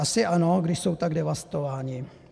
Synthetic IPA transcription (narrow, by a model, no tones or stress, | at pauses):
asɪʔanoɡdɪʃsowt̪aɡdɛʋast̪ovaːɲɪ